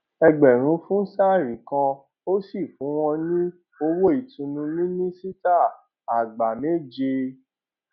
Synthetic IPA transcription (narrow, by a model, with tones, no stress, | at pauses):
ɛ˧ɡ͡bɛ˨ɾ̃ũ˨˦fũ˦sa˦˨ɾĩ˨kã˧ | o˦si˦˨fũ˨˦w̃ɔ̃˧nĩ˦ | o˧wo˦i˨tũ˧nũ˧mĩ˦nĩ˦si˦ta˦˨ | a˨ɡ͡ba˨me˦˨d͡ʒe˧